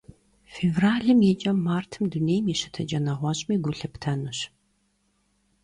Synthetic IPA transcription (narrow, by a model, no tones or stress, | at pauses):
feːvraːɮɨmjɛt͡ʃʼɐmːaːrtʰɨmduneːjmiʃɨ̥tʰɐd͡ʒʼɐnɐʁʷɔɕʼmiːɡʷʊɬɨptʰɐnɨɕ